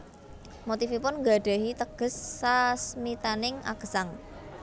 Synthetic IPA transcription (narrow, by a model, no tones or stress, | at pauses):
mot̪ifipʊnŋɡa̤ɖ̥a̤ɦit̪əɡ̥ə̤sːasmit̪anɪŋa̰ɡ̥əsaŋ